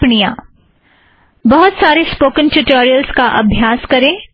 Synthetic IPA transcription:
ɳijaː | bɐɦʊt̪saːɾespoːkə̃nʈuʈoːɾijəlskaʔɐbʱjaːskɐɾẽː

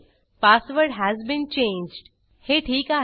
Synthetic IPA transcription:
paːsʋəɾɖɦæzbĩnt͡ʃẽːnd͡ʒɖ | heːʈʰiːka

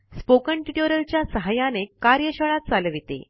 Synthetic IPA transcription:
spokəɳʈiʈoɾəlt͡ɕjasəɦajanekaɾjəɕəɭat̪̚t͡saləʋit̪ḛ

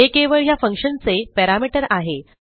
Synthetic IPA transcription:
ekeʋəɭɦjafəŋkʂənt͡sepɛɾamiʈəɾaɦe

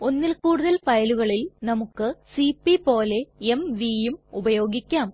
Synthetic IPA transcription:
o̞nːilkuːɽuðɐlfɐjɐluɣɐɭilnɐmukːɨsipːipo̞ːle̞emʋijumubɐjo̞ːɡikʲːaːm

